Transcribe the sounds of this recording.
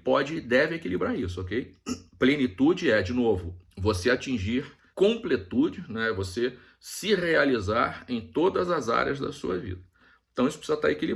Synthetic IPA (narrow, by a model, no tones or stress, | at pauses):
pɔd͡ʒɪd̪ɛvɪekilibɾaɾisʊokejplẽnit̪ud͡ʒɪɛd͡ʒɪnovʊvoseat͡ʃĩʒiɾ | kõplet̪ud͡ʒɪnɛvose | sɪhealizaɾẽj̃t̪od̪ɐzɐza̰ɾj̰ɐzd̪ɐ̰sṵɐvḭd̪ɐ | ẽt̪ɐ̃isʊ̥pɾisizɐt̪aɾekili